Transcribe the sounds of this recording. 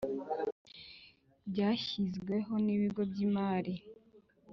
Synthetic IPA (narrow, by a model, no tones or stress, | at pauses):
bɟaːçizɡwe̞ɦo̞niβiɡo̞bɟiːmaːɾi